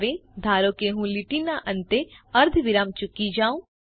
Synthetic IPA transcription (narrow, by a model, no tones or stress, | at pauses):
ʋẽd̪ʱaːɾõːkeɦũlɪʈiːnaʔə̃nt̪eɐɾd̪ʱʋɪɾamt͡ʃʊkːid͡ʒaːõː